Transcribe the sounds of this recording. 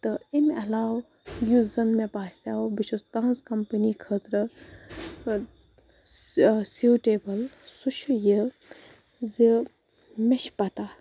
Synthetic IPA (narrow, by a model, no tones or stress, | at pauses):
t̪ɨimɐlaːw | juzɐnmepaːsaːwbiʃust̪ãːnskɐmpənikʰət̪ɾə | suːʈeːbɐlsuʃʰjə | zi | meʃpɐt̪a